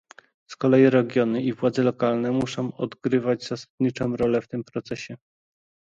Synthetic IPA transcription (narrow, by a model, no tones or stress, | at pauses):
skɔlɛjiɾɛɡʲjɔnɘivwad̪zɛlɔkalnɛmuʂɔ̃w̃ɔd̪ɡɾɘvad͡ʑzasad̪̥ɲit͡ʂɔ̃w̃ɾɔlɛft̪ɘmpɾɔt̪sɛɕɛ